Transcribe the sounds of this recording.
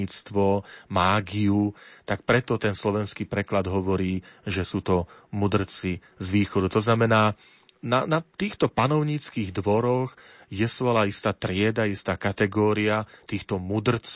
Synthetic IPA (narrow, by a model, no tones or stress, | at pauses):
iːt͡st̪ʋɔmaːɡiut̪akpɾɛt̪ɔt̪ɛnslɔʋɛnskiːpɾɛklad̪ɦɔʋɔɾiːʒɛsuːt̪ɔmud̪r̩t͡si | zʋiːxɔd̪ut̪ɔznamɛnaː | nanat̪iːxt̪ɔpanɔʊɲiːt͡skiːɣd̪ʋɔɾɔx | jɛsʋɔlaist̪aːt̪ɾɪɛd̪aist̪aːkat̪ɛɡɔːɾiat̪iːxt̪ɔmud̪r̩t͡s